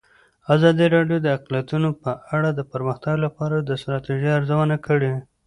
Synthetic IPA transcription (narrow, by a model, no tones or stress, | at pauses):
azɑd̪iɾɑɖjod̪əaqlijat̪unopəʔaɽad̪əpəɾməxt̪aɡlapɑɾad̪əst̪ɾɑt̪iʒiaɾzawənakəɽe